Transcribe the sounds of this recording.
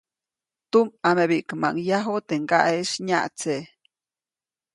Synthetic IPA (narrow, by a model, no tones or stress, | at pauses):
t̪umameβiʔkma̰ŋjaɦot̪eŋɡaʔeʃɲaʔt͡se